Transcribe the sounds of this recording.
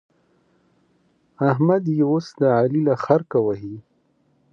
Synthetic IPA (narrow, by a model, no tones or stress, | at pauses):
aɦmad̪jeosd̪aʕalilaxaɾkawaɦi